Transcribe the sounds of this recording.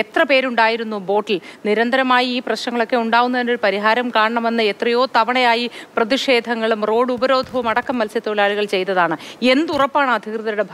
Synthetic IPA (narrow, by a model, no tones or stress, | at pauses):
et̪rɐpe̞ːɾuɳɖaːjiɾunːubo̞ːʈːilniɾɐnd̪ɐɾɐmaːjiiːprɐɕnɐŋːɐɭo̞kːe̞uɳɖaːɣunːɐðinoɾpɐɾiɦaːɾɐmkaːɳɐɳɐme̞nːɨet̪rɐjo̞ːt̪ɐʋɐɳɐjaːjiprɐðiʂe̞ːd̪ʱɐŋːɐɭumro̞ːɽubɐɾo̞ːd̪ʱɐʋumɐɽɐkːɐmːɐlsjɐt̪ːoːlaːɭuɣɐɭt͡ɕe̞jt̪ːɐðaːɳɨe̞nd̪urɐpːaːɳɨɐd̪ʱjikrɨðɐɾuɽe̞bʱ